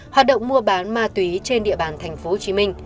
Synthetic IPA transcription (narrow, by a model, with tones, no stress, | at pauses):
hwaː˨˩t̚ɗə̰˧˨wŋ͡mmu˧əɓaː˨˦nmaː˧t̪wi˨˦t͡ɕe˧nɗḭ˧˨əɓaː˨˩nt̪ʰɛ˨˩jŋ̟fo˨˦ho˨˩t͡ɕi˨˦mï˧ŋ̟